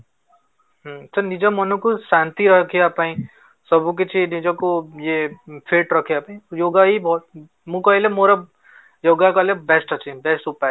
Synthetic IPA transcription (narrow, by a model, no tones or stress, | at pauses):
ɦsɐɾnid͡ʒamɐnõkoʃãːnt̪iɾɐkʰiapaːĩ | sɐbʱõk̬et͡ʃʰinid͡ʒãkojefʰeːʈɾɐkʰeapaːĩjoːɡaibʱɔːt̪ | mũkɐɦilemoɾa | joːɡakalebɛsʈɐt͡ʃʰẽbɛsʈupa